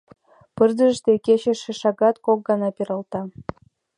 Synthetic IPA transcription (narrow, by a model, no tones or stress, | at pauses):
pɨrd̪ə̆ʒʃt̪eket͡ɕĕʃĕʃɑɡɑt̪kok̚ɡɑnɑpiɾɑlt̪ɑ